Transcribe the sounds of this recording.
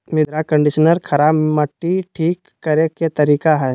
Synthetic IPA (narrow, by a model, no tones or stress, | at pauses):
mɪd̪ɾakə̃ɳɖɪʃənəɾkʰɐɾaːbmɐʈːiʈʰiːkːɐɾeket̪ɐɾiːkaɦɛː